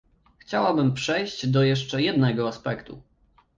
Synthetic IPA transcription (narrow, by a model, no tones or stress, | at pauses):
xt͡ɕawabɘmpʂɛjɕd͡ʑd̪ɔjɛʂt͡ʂɛjɛd̪nɛɡɔaspɛkt̪ṵ